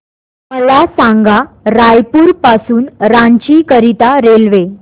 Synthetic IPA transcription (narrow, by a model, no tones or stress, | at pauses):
məlasaŋɡa | ɾajpuːɾpasuːnɾaɲt͡ɕiːkəɾit̪aɾelʋe